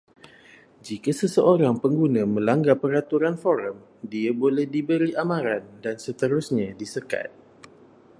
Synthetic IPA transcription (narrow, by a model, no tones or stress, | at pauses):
d͡ʒikasəsəʔoɾaŋpəŋɡunãmə̃laŋɡapəɾat̪uɾanfɔɾəm | diabolɛhdibəɾiamãɾandansət̪əɾusɲãdisəka̰t̪̚